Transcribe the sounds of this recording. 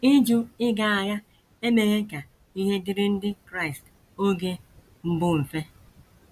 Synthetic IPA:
i˦d͡ʒu˦ɪ˦ɡa˨a˨ja˦ | e˦me˨ɣe˦ka˨ | i˦ɦe˦dɪ˦ɾɪ˦n̩˦dɪ˦kɾa˦ɪ˨st | o˦ɡe˦ | m̩˦bʊ˦m̩˨fe˦

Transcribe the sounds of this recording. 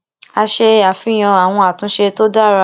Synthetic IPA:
a˧ʃe˧a˨fĩ˨˦j̃ã˧a˨w̃ɔ̃˧a˨tũ˨˦ʃe˧to˦da˦˨ɾa˧

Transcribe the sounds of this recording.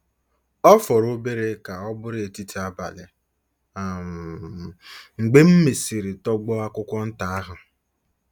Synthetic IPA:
ɔ˦fɔ˨ɾo˦be˦ɾe˦ka˨ɔ˦bʊ˦ɾe˨ti˦tʰi˨˦a˦ba̰˨lɪ˨ | a˨ | ŋ͡m̩˨ɡ͡be˦m̩˦me˨si˨ɾɪ˨tɔ˦ɡ͡bɔ˦a˦kʷʊ˦kʷɔ˦n̩˦ta˨a˦ɦʊ˨

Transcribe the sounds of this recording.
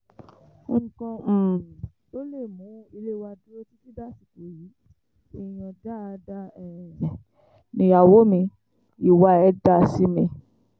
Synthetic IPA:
ŋ̩˨kɔ̃˧˨ | o˦le˦˨mũ˨˦i˧le˦wa˧du˦ɾo˦ti˦ti˦da˦si˨ke˨ɾi˨˦ | ɛ˦˨j̃ɔ̃˨da˦˧da˦ɛ˨ | nĩ˧a˨wo˨˦mĩ˧ | i˨wa˧ɛ˧da˦si˦mĩ˧

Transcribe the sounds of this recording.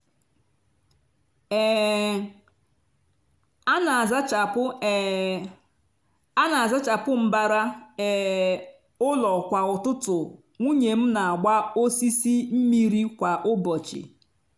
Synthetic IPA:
a˦na˨a˨za˦t͡ʃa˨pʊ˦ | a˦na˨a˨za˦t͡ʃa˨pʊ˦m̩˦ba˦ɾa˦ɛ˨ | ʊ˦lɔ˨kʷa˨ʊ˨tʊ˦tʊ˨ | ŋʷu˦ɲe˨m̩˦na˨a˨ɡ͡ba˦o˦si˦si˦m̩˦mi˦ɾi˦kʷa˨ʔʊ˦bɔ˨t͡ʃɪ̰˨

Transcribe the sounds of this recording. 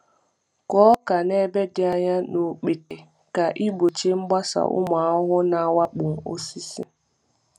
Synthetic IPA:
kɔ˦ka˨ne˦be˦dɪ˦a˦ɲa˦no˨k͡pi˨te˨ | ka˨ʔi˦bo˨t͡ʃe˦ŋ͡m̩˦ɡ͡ba˦sa̰˨ʔʊ̰˦ma˨˦ʊ˦ɦʊ˦na˨wa˦k͡pʊ˨ŋ̩˨o̰˦si˦sḭ˦

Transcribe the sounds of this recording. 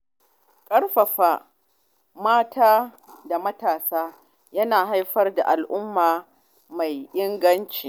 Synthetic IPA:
kʼɐ˦rɸɐ˨ɸaː˨ | maː˦taː˦ | da˨mɐ˦taː˨saː˦ | jɐ˦naː˨ɦa˦jɸɐ˦rda̰˨ʔa˨lʔʊ˦mːaː˨ | ma˨jʔɪ˦ŋɡɐ˦nt͡ʃiː˨

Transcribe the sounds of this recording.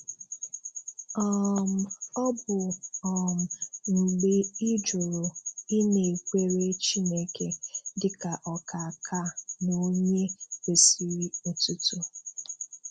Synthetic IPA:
ɔ˦˨m̩˨ɔ˦bʊ˨ɔ˨m̩˨ŋ͡m̩˨ɡ͡be˦i˦d͡ʒu˨ɾo˨i˦ne˨kʷe˦ɾe˦t͡ʃi˦ne˦ke˨dɪ˨ka˨ʔɔ˨ka˨kʰa˦˨no˦ɲe˦e˨si˨ɾi˦o˨tu˦tu˦

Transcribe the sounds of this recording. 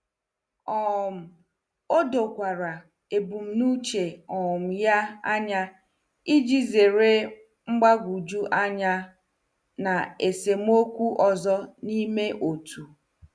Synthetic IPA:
ɔ˨m̩˨ | o˦do˨kʷa˨ɾa˨ | e˨bu˨m̩˦nu˦t͡ʃe˨ɔ˨ʊ˨m̩˨ja˦a˦ɲa˦ | i˦d͡ʒi˦ze˨ɾe˦ | ŋ͡m̩˦ɡ͡ba˦ɡʷu˨d͡ʒu˦ʔa˦ɲa˦ | na˨e˨se˨m̩˦o˦kʷu˦ʔɔ˨zɔ˦ni˦me˦ʔo˨tʰu˨

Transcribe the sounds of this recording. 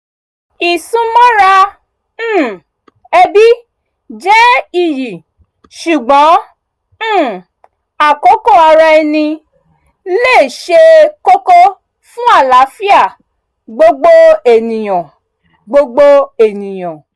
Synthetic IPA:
i˨sũ˧mɔ̃˦ɾã˦˨ | ɛ˧bi˦ | d͡ʒɛ˦i˦˨ji˨ | ʃu˨ɡ͡bɔ̃˨˦ | a˦˨ko˨˦ko˦˨a˧ɾa˧ɛ˧nĩ˧ | le˦˨ʃe˧ko˦ko˦ | fũ˦a˦˨la˨˦fi˦a˦˨ | ɡ͡bo˦ɡ͡bo˦e˨nĩ˨j̃ɔ̃˨ | ɡ͡bo˦ɡ͡bo˦e˦˨nĩ˨j̃ɔ̃˨

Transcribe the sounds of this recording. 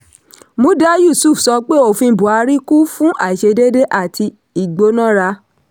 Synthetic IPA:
mũ˨˦da˦ju˦˨su˦˨fsɔ˧˦k͡pe˦o˦˨fĩ˧˦bu˨a˧ɾi˦ku˦fũ˦ʔa˦˨i˨ʃe˧de˦de˦ʔa˦˨tʰi˧ | i˨ɡ͡bo˧˦nã˦˨ɾa˧

